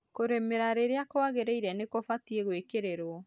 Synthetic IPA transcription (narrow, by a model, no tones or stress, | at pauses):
koɾemeɾaɾeɾeakoaɣeɾeiɾɛnekofatieɣwekeɾeɾwɔ